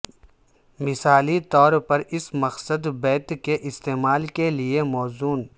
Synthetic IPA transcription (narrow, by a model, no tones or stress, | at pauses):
mɪsaːlit̪ɔːɾpɐɾɪsmɐqsəd̪bɛːt̪keʔɪst̪eːmaːlkeliemɔːzuːn